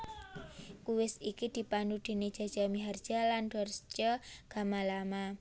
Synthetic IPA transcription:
kuwɪsikid̪̥i̤pandud̪̥e̤ned̥ʒ̥a̤̥ʒ̥a̤miɦard̥ʒ̥a̤land̥ɔ̤rst͡ʃɔɡ̥a̤malama

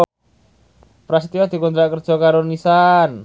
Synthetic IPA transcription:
pɾasit̪iwad̪̥i̤kund̪ɾaʔkərd̥ʒ̥ɔ̤kaɾonisan

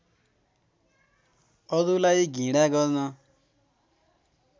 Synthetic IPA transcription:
ʌd̪ulajɡʱĩɽaɡʌɾnʌ

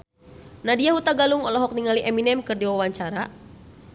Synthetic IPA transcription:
nadiaɦut̪aɡaluŋɔlɔɦɔk̚niŋaliʔɛminɛmkɨrdiwawaɲt͡ʃaɾa

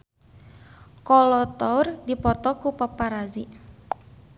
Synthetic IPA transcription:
kɔlɔt̪ɔrdipɔt̪ɔkupapaɾazi

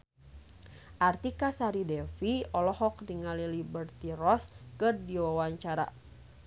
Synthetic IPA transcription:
ʔart̪ikasaɾidɛfiɔlɔhɔk̚diŋalilibərt̪irɔskɨrdiwawaɲt͡ʃaɾa̰

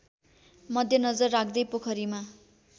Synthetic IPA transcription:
mʌd̪ʱjʌnʌd͡zʌrːakʰd̪ʌjpokʰʌɾima

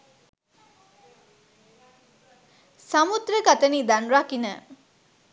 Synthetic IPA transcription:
samud̪ɾəɡat̪ənid̪anɾakinə

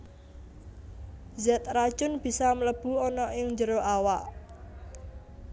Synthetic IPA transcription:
zɛt̪̚rad̥ʒ̥ʊnb̥i̤sɔmələb̥ṳɔnɔʔɪŋd͡ʒəɾoʔawaʔ

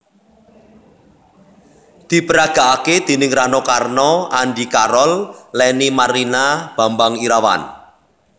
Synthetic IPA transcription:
d̪̥i̤pəɾaɡ̥a̤ʔaked̪̥i̤nɪŋranɔkarnɔanɖikaɾɔllɛnimaɾinab̥a̤mbaŋiɾawa̰n

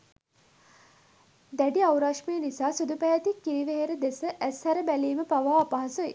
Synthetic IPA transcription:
d̪æɖiawɾaʂmejənisaːsud̪upæat̪ikːiɾiʋeɦeɾəd̪esəʔæshæɾəbæliːməpaʋaːpaɦasoji

